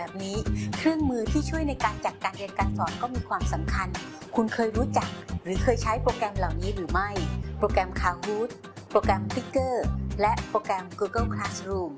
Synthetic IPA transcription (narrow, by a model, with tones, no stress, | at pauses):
bɛː˨˩p̚niː˦˥kʰɾɯ˥˩əŋmɯː˧t̪ʰiː˥˩t͡ɕʰu˥˩əjna˧jkaː˧nt͡ɕa˨˩k̪̚kːaː˧nʔi˧ənkaː˧nsɔː˨˩˦mkɔː˥˩miː˧kʰwaː˧msa˩˦mkʰa˧n | kʰu˧nkʰɤː˧jɾuː˦˥t͡ɕa˨˩k̚ɾɯː˩˦kʰɤː˧jt͡ɕʰa˦˥jpɾoː˧kɾɛ˧mla˨˩wniː˦˥ɾɯː˩˦ma˥˩jpɾoː˧kɾɛ˧mkʰaː˧˩whuː˦˥t̪̚ | pɾoː˧kɛ˧mt̪i˦˥kːɤː˥˩lɛ˦˥ʔpɾoː˧kɾɛ˧mkuː˧ɡɤ˥˩kʰlaː˦˥sɾuː˥˩m